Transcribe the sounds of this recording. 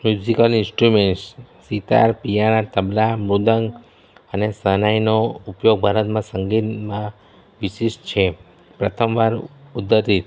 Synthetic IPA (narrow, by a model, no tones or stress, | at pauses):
mjud͡ʒikəlinsʈɾumeɳʈsː | it̪a̰ɾpijaɽ̃at̪əblamɾud̪əŋɡ | ənesənajnoupjoɡ̚bʱaɾət̪mãsəŋɡit̪mã | ʋiʃiʃt͡ʃʰe | pɾət̪ʰəmʋaɾud̪ːəɾt̪it̪